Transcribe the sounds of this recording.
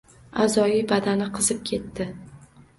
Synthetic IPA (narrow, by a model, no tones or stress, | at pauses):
azɒibad̪anɪqʰɨzɪp̚kʲʰe̞t̪ːɪ